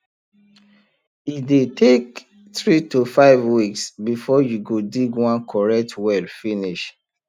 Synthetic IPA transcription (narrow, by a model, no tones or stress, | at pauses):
idetʰek | tɹitufaɪvwiksbifɔjuɡodiɡwãnkʰɔɹɛk̚tʰwɛlfiniʃ